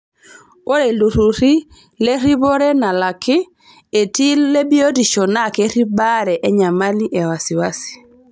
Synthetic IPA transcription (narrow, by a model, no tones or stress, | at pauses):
woɾeluɾuɾi | leɾiboɾenalaki | etilebiodiʃonakeɾibaɾɛʔeɲamaliʔewasiwasi̥